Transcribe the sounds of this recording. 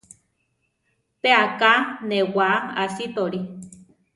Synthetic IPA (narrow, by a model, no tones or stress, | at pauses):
peakanewaasit̪oɾi